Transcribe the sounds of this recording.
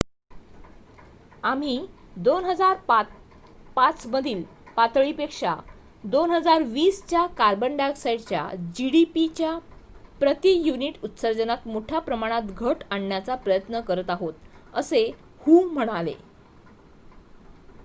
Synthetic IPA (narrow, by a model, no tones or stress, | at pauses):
am̤i | d̪onɦəd͡zaɾp | pat͡sməd̪ʱiːl | pat̪ɭipekʂa̰ | d̪onɦəd͡zaɾʋiːst͡ɕjakaɾbəɳɖaɡsajɖt͡ɕja̰d͡ʑiɽipit͡ɕjapɾət̪ijuniʈut̪səɾd͡zənat̪moʈʰjapɾəmaɽ̃at̪ɡʱəʈaɳːjat͡sapɾəjət̪nəkəɾət̪aɦot̪əse | huːm̤əɽ̃alḛ